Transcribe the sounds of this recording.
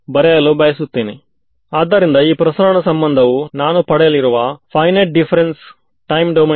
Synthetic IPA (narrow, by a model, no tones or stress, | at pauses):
bɐɾɛjɐlubɐjɐsut̪ːiːnḭ | aːd̪ːɐɾind̪ɐiːpɾɐsɐɾɐɳɐsɐmbɐnd̪ʱɐʋunaːnupɐɽɛjɐliɾuʋɐpʰɐjnɐʈ̚ɖipʰɐɾens | ʈɐjmɖɐmɐ